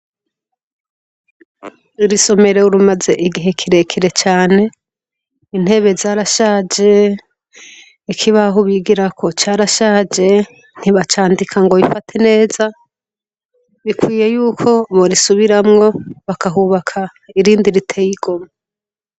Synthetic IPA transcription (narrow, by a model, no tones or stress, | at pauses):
uɾiso̞me̞ɾe̞uɾumaze̞ʔiɡiɦe̞kʰiɾe̞kʰiɾe̞t͡ʃaːne̞ | in̥he̞βe̞zaːɾaʃaːd͡ʒe̞ | ikʰiβaɦuβiɡiɾakʰo̞t͡ʃaːɾaʃaːd͡ʒe̞ | n̥iβat͡ʃaːndikʰaŋɡo̞βifatʰene̞ːza | βikwiːje̞juːkʰo̞βoɾisuβiɾamŋo̞βakaɦuβakʰa | iɾiːndiɾitʰe̞jiɡ̥oma